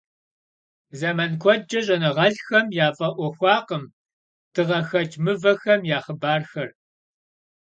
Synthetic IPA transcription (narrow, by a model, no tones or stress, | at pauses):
zɐmɐnkʷʰɔd͡ʒɐɕʼɐnɨʁɐɬxɐmjaːfʼɐʔʷɔxʷɑːqəm | tʰɨʁɐxɐd͡ʒmɨvɐxɐmjaːχəbaːrxɐr